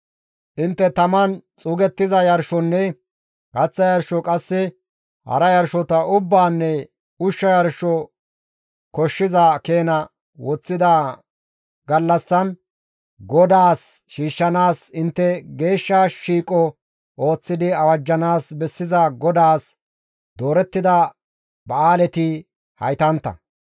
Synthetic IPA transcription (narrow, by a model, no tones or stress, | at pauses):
ʔɪnt̪ːɛt̪ɐmɐnt͡sʼuːɡɛt̪ːɪzɐjɐɾʃɔnːɛ | kɐt͡sːɐjɐɾʃɔkʼɐsːɪ | hɐ̰ɾɐjɐɾʃɔt̪ɐʔʊbːaːnːɛ | ʊʃːɐjɐɾʃɔ | kɔʃːɪzɐke̞ːnɐ | wɔt͡sːɪd̪ɐ | ɡɐlːɐsːɐn | ɡɔd̪aːsʃiːʃːɐnaːsɪnt̪ːɛɡe̞ːʃːɐʃiːkʼːɔ | ʔo̞ːt͡sːɪd̪ɪɐwɐd͡ʒːɐnaːsbɛsːɪzɐɡɔd̪aːs | d̪o̞ːɾɛt̪ːɪd̪ɐ | bɐaːlɛt̪ɪ | hɐ̰jt̪ɐnt̪ːɐ̰